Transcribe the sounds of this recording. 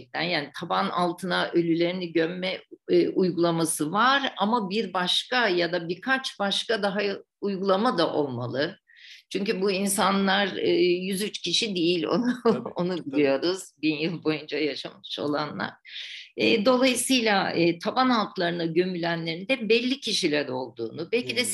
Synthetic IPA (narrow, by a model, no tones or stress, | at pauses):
ɛk̚t̪ʰænjaːnit̪ʰabana̰lˠt̪ʰɯnaʔølʲylʲe̞ɾiniɟømmɛːʔujɡulˠamasɯvaɾa̰mabiɾbaʃkajad̪abiɾkʰat͡ʃbaʃkad̪aɦa | ujɡulˠamad̪aʔo̞lˠmalˠɯ | t͡ʃʰyɲcybuinsanlˠaɾɯːjyzyt͡ʃcʰiʃid̪ejilʲo̰nonubilʲijo̞ɾuz̥binjɯlˠbo̞jund͡ʒajaʃamɯ̥ʃo̞̰lˠa̰nlˠa̰ɾ̥ɯːd̪o̞lˠajɯsɯjlʲaɯːt̪ʰabanalˠkʰlˠaɾɯnaɟø̞mylʲænlʲe̞ɾind̪ɛbɛlʲːicʰiʃilʲæɾo̞lˠd̪ṵːnubɛlʲcid̪ɛ